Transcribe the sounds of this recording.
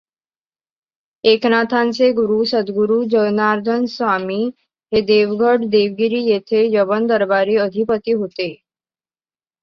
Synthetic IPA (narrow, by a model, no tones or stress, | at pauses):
eknat̪ʰãnt͡seɡuɾusəd̪ɡuɾud͡ʑənaɾd̪ʱənsʋamiː | ɦed̪eʋɡʱəɽd̪eʋɡiɾiːjet̪ʰejəbənd̪əɾbaɾiːəd̪ʱipət̪iːɦot̪e